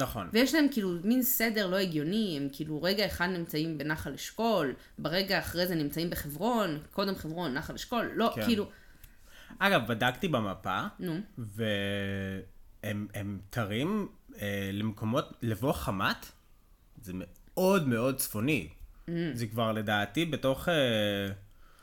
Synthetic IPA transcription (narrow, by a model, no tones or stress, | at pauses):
naχo̞̰nvejeʃlaemkiːluminsede̞ʁlo̞eɡjo̞niemkʰiːluʁeɡaeχad̪nimt͡saimbe̞naχaleʃko̞l | beʁe̞ɡaːχʁejzenimt͡saimbeχevʁo̞nko̞demχevʁo̞nːaχaleʃko̞lːo̞kkiːlu | aɡavbadakt̪ibemapanuve | ememtʰaʁimelemko̞mo̞tlevo̞χamat | zemeo̞dmeo̞d̚t͡sfo̞ni | zekvaʁle̞daːtibeto̞χe